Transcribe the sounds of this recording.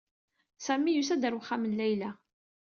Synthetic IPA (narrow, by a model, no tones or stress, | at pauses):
sæmːijusæd̪əɾwχːamənlæjlæ